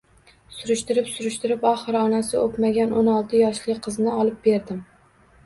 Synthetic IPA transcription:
sʊɾʊʃt̪ɪɾɪpsʊɾʊʃt̪ɪɾɪpɒχɨɾɒnasɪopmaɡʲanʔonɒlˠt̪ʰɪjɒʃlɪqʰɨznɪɒlˠɪp̚be̞ɾd̪ɪm

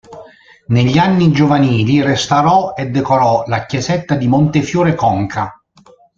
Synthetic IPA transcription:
neʎːianːid͡ʒovaniːlirest̪aɾɔed̪ːɛkoɾɔlakjɛsɛt̪ːad̪imont̪efjuːɾekɔŋkʰa

